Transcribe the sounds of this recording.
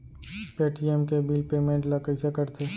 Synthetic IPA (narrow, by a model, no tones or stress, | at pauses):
peːʈiemkebilpeːmẽːɳʈlɐkəɪsekəɾt̪ʰeː